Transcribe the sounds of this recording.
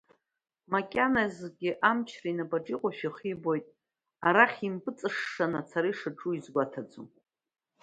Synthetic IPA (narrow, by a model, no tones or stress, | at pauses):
makʲʼanazɡʲɪʔamt͡ʃʰrainabʼaʈ͡ʂʼiqʷʼaʃᶣiχibo̞jtʼ | aɾaχʲimpʼɨt͡sʼɨʂːanat͡sʰaɾiʂɨʈ͡ʂʼuizɡʷatʰad͡zṵ